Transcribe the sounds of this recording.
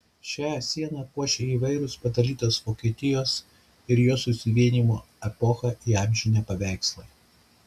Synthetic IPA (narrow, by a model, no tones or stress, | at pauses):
ʃʲæːsʲiɛnɐpuɔʃʲeːiːʋɐɪɾʲʊspɐd̪ɐlʲiːt̪oːsʋoːkʲiɛt̪ʲɪjoːs | ɪɾjoːsʊsʲɪʋʲiɛnʲiːmuː | ɛpɔxɐʔiɑˑmʲʒʲɪnʲɛpɐʋʲæˑɪkslˠɐɪ